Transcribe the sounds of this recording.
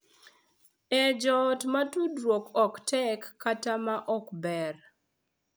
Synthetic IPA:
ɛd͡ʒɔtmatudɾwokɔktɛkːatamaʔɔkbɛr

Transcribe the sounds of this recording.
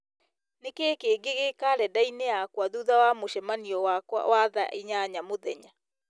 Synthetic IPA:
nekeːkeːɡeɣeːkaɾɛdaineakwaðuðawamoɕɛmaniɔwakwa̰waða̰ʔiɲaɲamoðɛɲa

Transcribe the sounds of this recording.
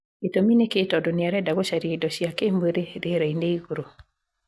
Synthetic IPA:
etomineketɔdoniaɾɛdaɣoʃaɾiedɔʃiakemboɾeɾeɾaineiɣoɾo

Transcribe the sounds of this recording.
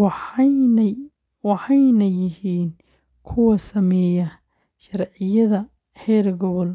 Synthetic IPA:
wɑħɑjnɐjɪɦiːn | kʰʊwɐsɐmɛːjɐ | ʃɐrʕɪjɐðɐ | hɛːɾɡɔβɔl

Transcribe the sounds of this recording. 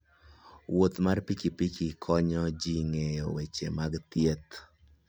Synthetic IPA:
wot̪marpikipikikʰɔɲɔd͡ʒiŋejowet͡ʃemaɡt̪jet̪

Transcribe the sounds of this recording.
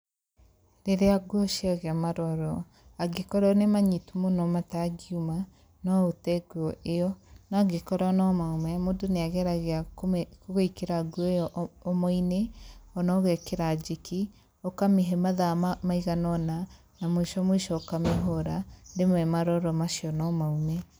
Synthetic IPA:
ɾeɾeaɡwɔʃiaɣeamaɾɔɾɔ | aɡekɔɾɔnemaɲitumonɔmataɡiuma | nɔotɛɡwɔʔeɔnaɡekɔɾɔnɔmaomɛmodoneaɣɛɾaɣeakoɣeikeɾaɡwɔɔʔɔmɔineɔnɔɣɛkeɾad͡ʒiki | okameɦɛmaðamaiɣanɔna | namoiʃɔmoiʃɔːkameɦɔɾademwɛmaɾɔɾɔmaʃiɔnɔmaumɛ

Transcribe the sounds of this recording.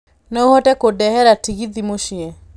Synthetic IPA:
nɛohɔtɛkodɛhɛɾatiɣiðimoʃiɛ

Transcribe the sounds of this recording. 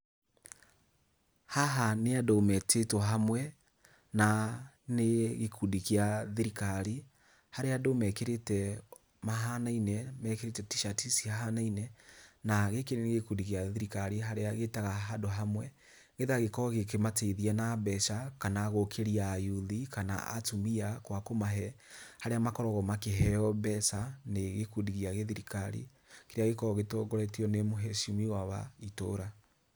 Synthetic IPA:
haɦaneadomɛtetwɔɦamwɛ | na | neɣekʰudikjaðeɾikaɾi | haɾeadomɛkeɾetɛ | maɦanainɛmɛkeɾetɛtiʃatisiaɦanainɛnaɣekeneneɣekudikjaðiɾikaɾiɦaɾeaɣetaɣaɦadoɦamwɛ | ɣeðaɣekɔɔɣek̬emateiðianabɛʃakanaːɣokʰeɾiajuðikana̰a̰tumiakwakomaɦɛ | haɾeamakɔɾɔɣɔmakeɦɛɔbɛsaneɣekudiɣiaɣeðiɾikaɾḭ | keɾeaɣekɔɔɣetoɡɔɾɛtiɔnemoɦɛʃimiwaβa̰itoːɾa

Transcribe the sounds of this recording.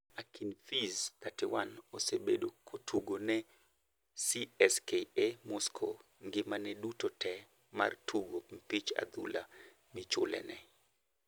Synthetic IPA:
akinfizt̪atɪwanosebedokʰotʰuɡonɛ | siɛskeemɔskʰo | ŋɡɪmanɛdutotʰɛ | ma̰rtʰuɡom̩pit͡ʃa̰d̪ula̰ | mɪt͡ʃʊlɛ̰nɛ

